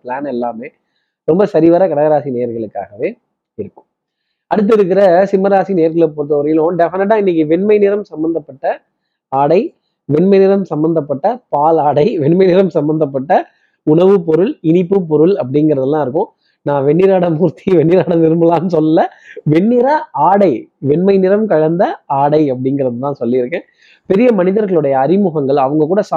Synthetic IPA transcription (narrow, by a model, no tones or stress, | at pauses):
plaːnɛlːaːmeː | ɾɔmbɐsɐɾɪʋaːɾɐkɐɽɐɣɐɾaːsinejɐɾɣɐɭɯkːa̰ːɣɐʋeː | ɪɾɯkːɯ̥̃m | ɐɽɯt̪̬ːɪɾɯk̬ːɪɾɐsɪmɐɾaːsinejɐɾɣɐɭɛpːoːɾɯt̪̬ːɐʊɾɐjɪlʊ̃ɖɛfɪnɛʈ̬ːãːɪnːɪk̬ːɯʋɛɳmɐɪnɪɾɐmsɐmbɐnd̪ɐpːɐʈːɐ | aːɽɐɪ | ʋɛɳmɐɪnɪɾɐmsɐmbɐnd̪ɐpːɐʈːɐpaːlaːɽɐɪʋɛɳmɐɪnɪɾɐmsɐmbɐnd̪ɐp̬ːɐʈːɐ | ʊɳɐʋɯpɔɾɯɭɪnɪpːɯpɔɾɯɭɐpːɐɽɪŋɡɪɾɐðɐlːãːɪɾɯkːʊ̃ | nãːʋɛɳːɪɾaːɽɐmuːɾt̪ʰiʋɛɳːɪɾaːɽɐnɪɾɯmbɯlaːnːɯsɔlːɪlːɐʋɛɳːɪɾaaːɽɐɪʋɛɳmɐɪnɪɾɐmkɐɻɐnd̪ɐaːɽɐɪɐp̬ːɐɽɪŋɡɪɾɐðɯt̪ãːsɔlːɪɪɾɯkːẽː | pɛɾɪjɐmɐnɪðɐɾɣɐɭɯɽɐjɐːɾɪmʊɣɐŋɡɐɭɐʋɐŋɡɐkuːɽɐs